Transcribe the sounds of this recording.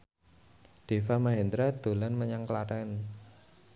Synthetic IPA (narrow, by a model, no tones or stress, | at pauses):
ɖ̥e̤famaɦɛnd̪ɾad̪̥o̤lanməɲaŋklaɾan